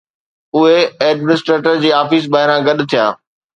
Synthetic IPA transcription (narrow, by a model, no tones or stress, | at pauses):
ʊɦeɛːɖmɪnɪsʈɾeːʈəɾd͡ʑiːaːfis̬baːɦɪɾãɡɐɗ̆t̪ʰijaː